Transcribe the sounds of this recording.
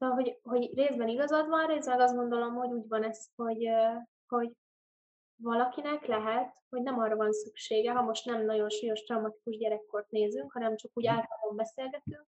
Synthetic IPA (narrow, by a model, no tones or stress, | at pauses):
solɒɦo̞ɟɦo̞ɟreːzbɛniɡɒzɒd̪vɒnreːzmɛɡɒzɡo̞nd̪olo̞mho̞ɟuːɟvɒnɛsho̞ɟ | ho̞ɟ | vɒlɒkinɛklɛɦɛt̪ho̞ɟnɛmɒrɒvɒnsykʃeːɡɛɦɒmo̞ʃt̪nɛmnɒɟo̞nʃujo̞ʃt̪rɒumɒt̪i̥kuʒɟɛɾɛkːo̞rt̪neːzyŋkhɒnɛmt͡ʃɒkuːɟaːɾɒlombɛseːlɡɛt̪yŋk